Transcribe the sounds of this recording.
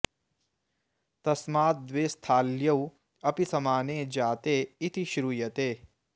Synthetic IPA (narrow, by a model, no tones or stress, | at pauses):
t̪ɐsmaːt̪̚d̪ʋeːst̪ʰaːljɐw | ɐpisɐmaːneːd͡ʒaːt̪eːit̪ʰiʃɾuːjɐt̪eː